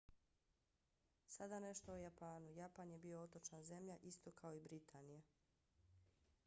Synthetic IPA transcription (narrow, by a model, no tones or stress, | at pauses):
sad̪ane̞ʃt̪o̞ojapaːnujapanje̞bio̞ot̪o̞t͡ʃnanze̞mʎaʔist̪o̞kʰao̞ibɾit̪ʰaːnija